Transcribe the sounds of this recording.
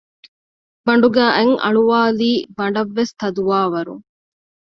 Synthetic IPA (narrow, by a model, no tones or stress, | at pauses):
bɐɳ̆ɖuɡæːʔeŋʔɐ̰ɭuʋaːliːbɐɳɖɐʋːest̪ɐd̪uʋaːʋɐɾṵŋ